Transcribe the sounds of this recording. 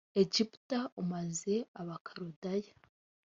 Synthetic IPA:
eɟiptaumaze̞aβakʰaɾudaja

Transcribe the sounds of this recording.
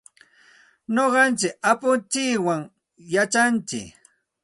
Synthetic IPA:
noɢɑnt͡ʃɪk̚apʊnt͡ʃɪkwaŋ | jat͡ʃant͡ʃɪ̰k

